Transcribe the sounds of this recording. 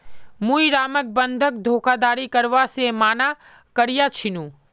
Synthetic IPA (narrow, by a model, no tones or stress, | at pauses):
mũiɾaːmək̚bənd̪ʱək̚d̪ʱoːkʰad̪aːɾikəɾʋasemaːna | kəɾijat͡ʃʰɪnũː